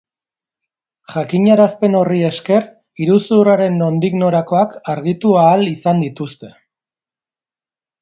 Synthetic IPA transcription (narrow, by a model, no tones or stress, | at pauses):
ʝakiɲaɾaspe̞no̞rie̞ske̞r | iɾusuraɾe̞no̞nd̪iɣno̞ɾako̞akaɾɣit̪uaːlisand̪it̪ust̪e̞̥